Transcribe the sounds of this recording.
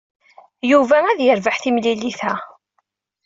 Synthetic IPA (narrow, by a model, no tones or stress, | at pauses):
juvææðjəɾvaħθimliliθæ